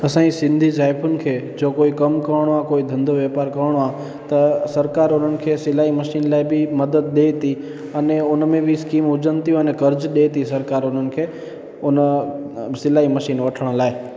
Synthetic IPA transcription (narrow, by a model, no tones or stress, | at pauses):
ɐsãːisɪ̃nd̪ʱizaːɪpʰʊnɪ̆kʰeːd͡ʒoːkoːikɐmkɐʋəɽ̃oaːkoːid̪ʱɐ̃nd̪ʱoʋjɛːpaːɾkɐʋəɽ̃oaː | t̪ɐsɐɾkaːɾʊn̤ənɪ̆kʰeːsɪlaːimɐʃiːnlaːɪbʱɪmɐd̪əd̪̚ɗeːt̪i | ɐneʊnmẽbʱɪskiːmʊd͡ʒənt̪ijũɐnɛkɐɾd͡ʒɗeːt̪isɐɾkaːɾʊn̤ənɪ̆kʰeː | ʊn | sɪlaːɦimɐʃiːnʋɐʈʰəɽ̃laːɪ